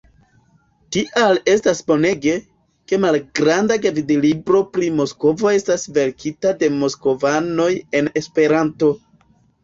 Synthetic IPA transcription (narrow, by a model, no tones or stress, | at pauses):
tiʔale̞stasbo̞ne̞ɡe̞ | ke̞malɡɾandaɡavidilibɾo̞pɾimo̞sko̞vo̞e̞stasve̞ɾkʰitade̞mo̞sko̞vano̞je̞ne̞spe̞ɾanto̞